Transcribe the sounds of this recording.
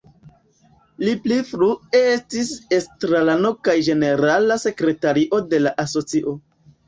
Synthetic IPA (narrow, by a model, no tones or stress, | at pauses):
liplifɾuestisestɾalano̞kajd͡ʒe̞ne̞ɾalase̞kɾe̞taɾiʔo̞de̞laʔaso̞t͡siʔo̞